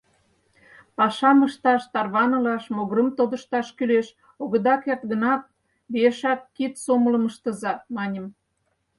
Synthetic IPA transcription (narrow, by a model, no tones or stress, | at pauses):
pɑʃɑməʃt̪ɑʃt̪ɑrβɑnə̆lɑʃmoɣɾə̆mt̪od̪ə̆ʃt̪ɑʃkyleʃ | oɣə̆d̪ɑkert̪ɣənɑt̪̚ | bieʃɑt̪̚kit̪somələ̆məʃt̪əzɑmɑnʲəm